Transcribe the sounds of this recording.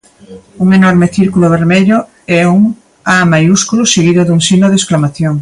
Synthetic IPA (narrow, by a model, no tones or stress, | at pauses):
uŋenoɾmeθiɾkuloβ̞eɾmeʎo | ɛuŋ | amajuskuluseɣ̞iðoðuŋsinoðesklamaθjoŋ